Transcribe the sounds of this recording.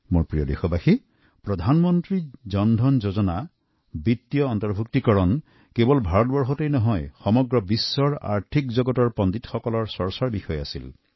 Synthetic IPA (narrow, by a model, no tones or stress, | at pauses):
moɹpɹijɔd̪exɔbaxi | pɹɔd̪ʱanmɔntɹid͡ʒɔnd̪ʱɔnd͡ʒozɔna | bit̪ːijɔːnt̪ɔɹbʱuk̚tikɔɹɔn | kebɔlbʱaɹɔt̚bɔɹxɔtejnɔɦɔjxɔmɔɡɹɔbisːɔɹa̰ɹt̪ʰikd͡ʒɔɡɔtɔɹpɔnd̪itxɔkɔlɔɹsɔɹsaɹbixɔjasḭl